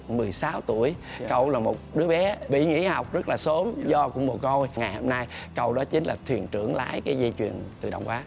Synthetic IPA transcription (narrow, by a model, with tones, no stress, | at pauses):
mɨ˨˩əjsaː˨˦wt̪u˧˩əjkə˧˩wlaː˨˩mo˨˩t̚ɗɨ˨˦əɓɛ˨˦ɓḭ˧˨ŋḭ˧˥ha˨˩wk͡p̚zə˦˥t̚laː˨˩so˨˦mzɔ˧kʊ̰˧˥ŋ͡mmu˨˩tŋo˧jŋa˨˩jho˧mna˧j | kə̰˧˩wɗɔ˨˦t͡ɕï˨˦ŋ̟laː˨˩t̪ʰwi˨˩ənt͡ɕɨ̰˧˩əŋla̰ː˧˥jkaː˨˦jzi˧t͡ɕwḭ˨˩ənt̪ɨ˨˩ɗə̰˧wŋ͡mkwaː˨˦